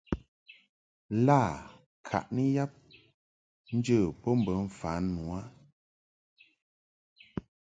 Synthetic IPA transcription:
la˦˨ | kʰa̰˨ʔnə˦ja˦p̚ | n̩˦d͡ʒə˦˨pɔ˦m̩˦˨bə˨˦ɱ̩˨faː˨˦nːwa˦

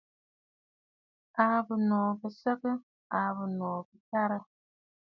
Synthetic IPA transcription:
a˨bɨ˨nɔː˨bɨ˨sɨ˦kɨ˦ | a˨βɨ˨nɔː˨bɨ˨ta˦ɾɨ˦

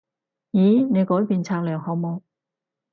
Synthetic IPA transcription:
jiː˨˥ne˨˧jkɔː˨˥jpiː˧nt͡sʰaː˧k̚lœː˨˩ŋhɔː˨˥wmoː˧ŋ

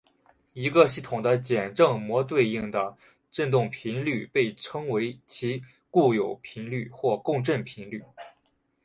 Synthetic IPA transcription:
i˧˥ɡə˧ɕi˥˩t̪ʰʊ˨˩ŋd̪ə˦t͡ɕjɛ˨˩nʈ͡ʂɤ˥˩ŋmwɔ˧˥t̪we˥˧ɪi˥˩ŋd̪ə˩ | ʈ͡ʂə˥˧nt̪̬ʊ˥˩ŋpʰi˧˥nly˥˩pe˥˩ɪʈ͡ʂʰɤ˥ŋwe˧˥ɪt͡ɕʰi˧˥ | ku˥˩jo˨˩ʊpʰi˧˥nly˥˧xwɔ˥˧kʊ˥˧ŋʈ͡ʂə˥˩npʰi˧˥nly˥˩

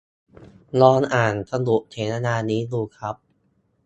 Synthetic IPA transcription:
lɔː˧nʔaː˨˩nsa˧nu˨˩ʔt͡ɕʰeː˩˦ta˧naː˧niː˦˥duː˧˩kʰɾa˦˥p̚

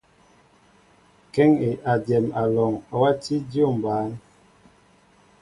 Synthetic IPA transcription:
kɛ˦ŋe˨ʔa˨djɛ˨ma˨lɔ˨ŋa˨wa˦ti˦djo˦˨m˨baː˨˦n

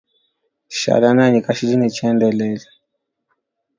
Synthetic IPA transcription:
ʃa̰˨la˨na˦ɲi˨ka˨ʃi˦d͡ʒi˦nɛ˨t͡ʃɛndɛ˨lɛla˨

